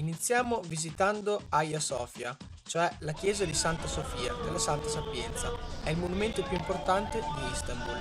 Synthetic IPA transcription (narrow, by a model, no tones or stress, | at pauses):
init̪sːjaːmovizit̪and̪oajasɔːfja̰ | t͡ʃoɛlak̟jɛːzad̪isant̪asofiːad̪elːasant̪asapjɛnt̪saɛilmonument̪opjuimport̪ant̪ed̪iist̪ambul